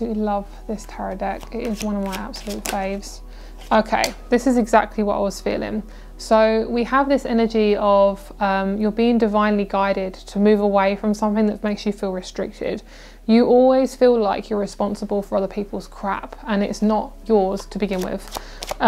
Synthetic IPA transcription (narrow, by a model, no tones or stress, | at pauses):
lʌv̥ðɪstʰæɹɨdɛkɪtɪzwʌ̃nʌvmaɪa̰b̥səlʉtfeɪvz̥ | oʊkʰeɪðɪsɨzɨɡzæ̰k̚tʰˡliwʌʔa̰ɪwʌz̥fḭlˠɪ̰̃ŋ | soʊwiəvðɪsɛnəd͡ʒiəv̥ | ʌ̃mjəbiɪ̃ŋdɨvãɪ̃nliɡaɪɾɪdtʰəmʉːvəweɪfɹʌ̃msʌ̃mθɪ̃ŋðət̚meɪksjɨfilˠɹɨstɹ̥ɪ̰k̚tʰɪ̰d̥ | jɨʔɔlˠwiz̥fiːlaɪkʰjə˞ɹɨspɑ̃nsəbəlˠfə˞ʌðə˞pʰiˑpʰəlˠz̥kʰɹ̥a̰pə̃nɪ̰tsnəʔjə˞z̥tʰəbɨɡɪ̃nwɪ̰ð̥